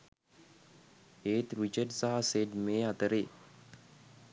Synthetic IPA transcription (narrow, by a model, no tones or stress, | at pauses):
eːt̪ɾit͡ʃəɖsaɦaseɖmeːat̪əɾeː